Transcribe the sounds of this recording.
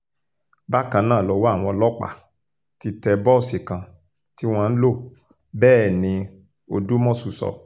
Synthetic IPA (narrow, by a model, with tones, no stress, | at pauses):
ba˦kã˧nãː˦˨lɔ˧˦wa˦a˦˨w̃ɔ̃˧lɔ˦k͡pa̰˨ | ti˧tɛ˧bɔ˦˨si˨kã˨ | ti˦w̃ã˧n̩˦lo˦˨ | bɛː˦˨nĩ˧ | o˧du˦mɔ̃˦˨su˨sɔ̰˨